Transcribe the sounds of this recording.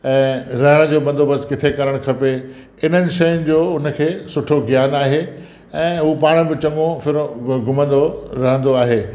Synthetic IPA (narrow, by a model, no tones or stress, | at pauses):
ɛ̃ːɾɐɦəɽ̃̆d͡ʑoːbɐ̃nd̪ʱobɐskɪt̪ʰekɐɾəɽ̃kʰɐpe | ɪn̤ənɪ̆ʃɐjʊnɪ̆d͡ʑoːʊnə̆kʰeːsʊʈʰoɡijaːnaːɦe | ɛ̃ːɦupaːɽ̃̆bɪt͡ɕɐ̃ŋɡõfɪɾɡʊmə̃nd̪oɾɐɦə̃nd̪oaːɦeː